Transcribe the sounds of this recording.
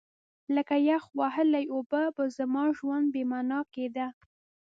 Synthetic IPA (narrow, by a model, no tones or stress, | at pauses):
ləkajaxwaɦəlajobabəzamɑʒwand̪̚bemɑnɑked̪a